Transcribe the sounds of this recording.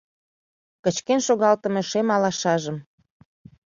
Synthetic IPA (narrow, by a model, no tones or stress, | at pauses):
kət͡ɕkenʃoɣɑlt̪əmeʃemɑlɑʃɑʒəm